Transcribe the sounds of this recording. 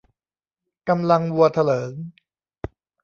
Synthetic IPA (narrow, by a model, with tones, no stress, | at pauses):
ka˧mla˧ŋwu˧ɐt̪ʰa˧lɤː˩˦n